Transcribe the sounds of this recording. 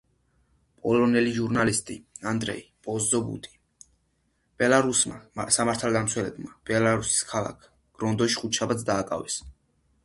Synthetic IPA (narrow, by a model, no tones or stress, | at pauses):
pʼɔlɔnɛliʒuɾnalist̪ʼiand̪ɾɛ̰ipʼɔzzɔbṵt̪ʼi̥ | b̥ɛlˠaɾusmasamaɾt̪ʰalˠd̪amt̪sʰwɛlɛbmab̥ɛlaɾusi̥skʰalˠa̰kʰ | ɡ̥ɾɔnd̪ɔʃi̥χut͡ʃʰabat̪sʰd̪aːkʼa̰vɛs